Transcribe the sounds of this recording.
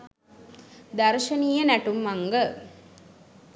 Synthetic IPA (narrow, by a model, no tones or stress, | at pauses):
d̪aɾʃənijənæʈumːaŋɡə